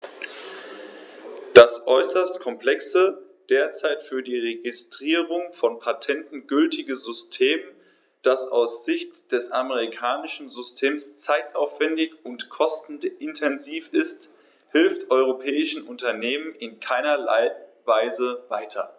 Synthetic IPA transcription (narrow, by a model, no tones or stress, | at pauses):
d̥asʔɔʏsɐstkʰɔmpl̥ɛksə | d̥eːɐt͡saɪtfyːɐdiːʁeɡɪstʁ̥iːʁʊŋfɔnpʰatʰɛntn̩ɡʏltʰɪɡəzʏstʰeːm | d̥asa̰ʊsz̥ɪçtd̥ɛsʔaməʁikʰaːnɪʃn̩zʏstʰeːmst͡saɪtaʊfv̥ɛndɪçʊntkʰɔstn̩ʔɪntʰɛnziːfɪst | hɪlftʔɔʏʁ̞opʰɛːɪʃn̩ʔʊntɐneːmənɪnkʰaɪnɐla̰ɪvaɪzəvaɪtʰɐ